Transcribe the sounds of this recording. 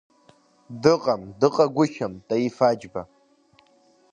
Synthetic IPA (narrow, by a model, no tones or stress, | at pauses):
dɨqʼamdɨqʼaɡʷʊʃamtʼajifad͡ʒba